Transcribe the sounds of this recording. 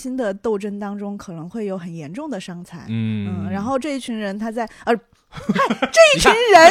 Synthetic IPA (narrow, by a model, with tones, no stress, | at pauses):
ɕi˥nd̪ə˨t̪o˥˩ʊʈ͡ʂə˥nt̪ɑ˥ŋʈ͡ʂʊ˥ŋkʰɤ˨˩nɤ˧˥ŋxwe˥˩ɪjo˧˥ʊxə˨˩njɛ˧˥nʈ͡ʂʊ˥˩ŋd̪ə˩ʂɑ˥ŋt͡sʰa̰˧˥ɪn̩˥˩ɻa˧˥nxo˥˧ʊʈ͡ʂɤ˥˧i˥˩t͡ɕʰy˧˥nɻə˧˥nt̪ʰa˥t͡sa˥˩ɪə˧˥ | ʈ͡ʂɤ˥˧i˥˩t͡ɕʰnɻə˧˥